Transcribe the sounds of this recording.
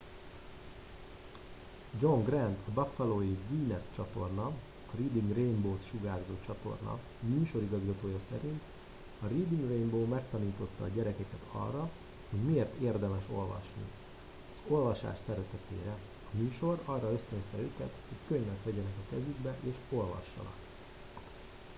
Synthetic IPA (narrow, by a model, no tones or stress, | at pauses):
d͡ʒo̞ŋɡrɛnt̪ʰɒbɒfɛloːjiviːnɛt̪t͡ʃɒt̪o̞rnɒ | ɒriːd̪iŋɡrejmboːt̪ʃuɡaːrzoːt͡ʃɒt̪o̞̰rnɒ̰ | myːʃo̞ɾiɡɒzɡɒt̪oːjɒsɛɾint̪ | ɒriːd̪iŋɡremboːmɛkt̪ɒniːt̪o̞t̪ːɒːɟɛɾɛkɛkɛt̪ʰɒ̰rːɒ | ho̞ɟmieːrt̪eːrd̪ɛmɛʃo̞lvɒ̰ʃnḭ | ɒz̥o̞lvɒʃa̰ːʃsɛɾɛt̪ɛt̪ḛːɾɛ | ɒmyːʃo̞rɒrːɒø̞st̪ønst̪ɛøːkɛ̰t̪ho̞ckøɲvɛt̪ʋɛɟɛnɛkɒkɛzyɡbɛʔeːʃo̞lvɒ̰ʃːɒ̰nɒ̰k